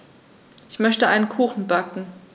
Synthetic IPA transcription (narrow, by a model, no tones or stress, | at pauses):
ʔɪçmœçtəʔaɪnənkʰuːxn̩bakŋ̩